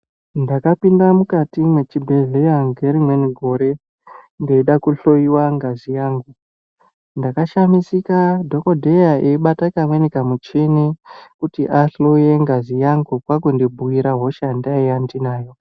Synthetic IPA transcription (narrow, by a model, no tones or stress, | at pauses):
ndakapindamukatimwe̞t͡ʃibʱe̞ɮejaŋɡe̞ɾimwe̞niɡʱo̞ɾe̞ | ŋɡeiɗakuɬo̞iwaŋɡazijaːŋɡu | ndakaʃamisikadʱo̞ko̞dʱejaeiɓatakamwenekamut͡ʃinikutiʔaɬoje̞ŋɡazijaŋɡukwakundibʱuwiɾaɦo̞ʃandaijandinaːjo̞